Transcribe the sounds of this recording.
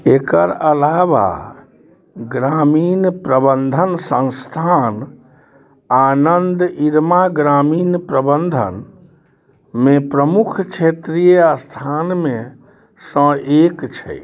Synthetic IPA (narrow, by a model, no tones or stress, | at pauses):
ekəɾəlaʋa̰ | ɡɾaminpɾəbənd̪ʱənsə̃nst̪ʰan | anənd̪iɾmaɡɾaminpɾəbənd̪ʱə̰n | mepɾəmukʰt͡ʃʰet̪ɾijeast̪ʰanmẽ | sə̃ekt͡ʃʰɛ̰